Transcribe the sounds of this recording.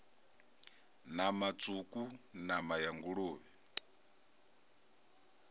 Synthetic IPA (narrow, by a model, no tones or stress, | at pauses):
namat͡sʼukʼunamajaŋɡuɺuːβɛ